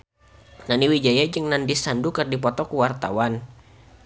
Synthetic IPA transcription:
naniwid͡ʒajad͡ʒəŋnandisandukərdipɔt̪ɔkuwart̪a̰wan

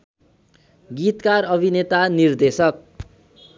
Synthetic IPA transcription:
ɡit̪karʌbʱinet̪anird̪esʌk̚

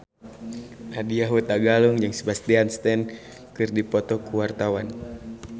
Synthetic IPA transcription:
ʔadiaɦut̪aɡaluŋd͡ʒɨŋsə̥bast̪ianst̪ɛn | kɨrdipɔt̪ɔkuwart̪awan

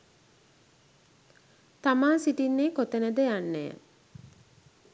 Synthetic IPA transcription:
t̪amaːsiʈinːeːkot̪enəd̪əjanːejə̰

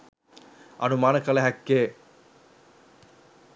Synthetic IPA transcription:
ʔɐ̰numaːnəkɐlɐɦækːeː

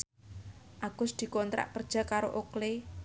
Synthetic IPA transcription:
ʔaɡ̥ʊsd̪̥i̤kɔnt̪ɾa̰ʔkərd̥ʒ̥a̤kaɾoʔokle

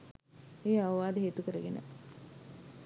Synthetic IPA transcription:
eːaʋʋaːd̪əɦeːt̪ukəɾəɡenə̰

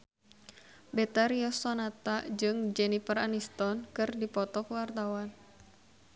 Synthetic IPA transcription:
bɛt̪aɾiɔsɔnat̪ad͡ʒɨŋd͡ʒɛnifəranist̪ɔnkɨrdipɔt̪ɔkwart̪awan

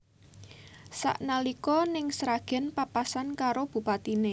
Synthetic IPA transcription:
sa̰ʔnalikɔnɪŋsɾaɡ̥ɛ̤npapasankaɾob̥ṳpat̪ine

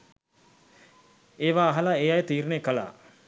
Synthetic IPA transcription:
eːʋaːɦalaeːjajət̪iːɾnejkəla̰ː

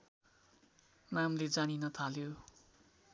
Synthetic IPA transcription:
namled͡zaninʌt̪ʰaljo

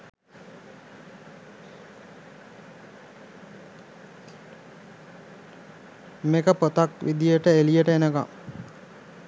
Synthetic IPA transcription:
mekəpot̪akʋḭd̪ijəʈəelijəʈəenəka̰m

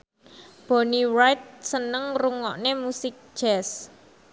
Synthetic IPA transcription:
b̥onirajt̪̚sənəŋruŋɔʔnemusɪk̚ʒ̥ɛs

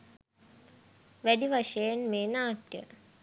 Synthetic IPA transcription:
ʋæɖiʋaʃɐjenmeːnaːʈjə̰

